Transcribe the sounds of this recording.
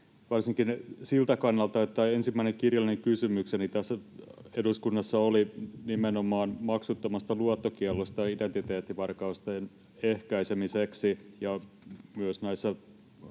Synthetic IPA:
ʋɑrsiŋkinsilt̪ækɑnːɑlt̪ɑot̪ːæensimːæineŋkirjɑlːˑineŋkysymyksenit̪æsːæ | eduskunːɑsːɑolinimenomɑːnmɑksut̪ːomɑst̪ɑluot̪ːokiælːost̪ɑident̪it̪eːt̪ːiʋɑrkɑust̪en | ehkæisemiseksijɑ | myøsnæisːɑ

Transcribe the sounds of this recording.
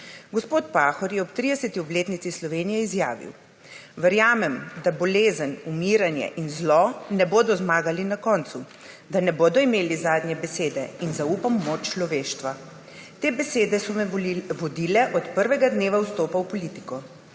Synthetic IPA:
ɡɔspoːt̪paːxɔɾjɛɔpt̪ɾid̪ɛsɛt̪iɔbleːt̪nit̪islɔʋeːnijɛizja̰ːʋḭw | ʋəɾjaːmɛmd̪abɔleːzənumiːɾanjɛ̰ʔinzlɔnɛboːd̪ɔzmaːɡalinakɔːnt̪su | d̪anɛboːd̪ɔimeːlizaːd̪njɛbɛseːd̪ɛinzauːpamːot͡ʃt͡ʃlɔʋeːʃt̪ʋa | t̪eːbɛseːd̪ɛsɔʋɔd̪ilɛʔɔt̪pəɾʋɛɡad̪neːʋawst̪oːpawpɔliːt̪i̥kɔ

